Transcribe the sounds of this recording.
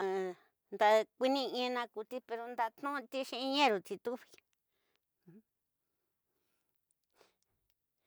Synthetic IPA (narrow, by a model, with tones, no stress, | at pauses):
nd̪a˧kʷi˦nĩ˦˧ĩ˧˦˧nã˧ku˧t̪i˦pe˧ɾo˧nd̪a˧t̪nũ˦˧t̪i˦ʃĩ˧ʔĩ˧ɲẽ˦ɾu˨t̪i˧t̪u˦βi̥˧˨˦